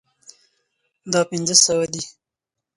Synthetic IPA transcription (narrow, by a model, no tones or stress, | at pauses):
d̪ɑpɪnzəsawad̪i